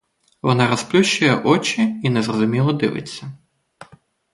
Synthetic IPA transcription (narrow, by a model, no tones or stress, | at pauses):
ʋɔnaɾɐsplʲuʃɐjɛʔɔt͡ʃiinɛzrɔzʊmʲilˠɔd̪ɪ̰ʋɪ̰t͡sʲːɐ